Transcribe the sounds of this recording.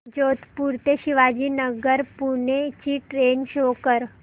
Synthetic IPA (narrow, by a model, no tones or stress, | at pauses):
d͡ʑot̪puɾt̪eɕiʋad͡ʑiːnəɡəɾpuɳet͡ɕiːʈɾenɕokəɾ